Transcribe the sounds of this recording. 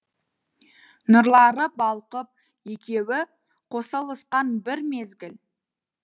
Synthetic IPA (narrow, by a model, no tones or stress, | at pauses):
nʊɾlˠɑɾəbɑlˠqəp̚ | je̞kʲe̞wɪ | qʰo̞səlˠəsqɑnbɪɾme̞zɡʲɪl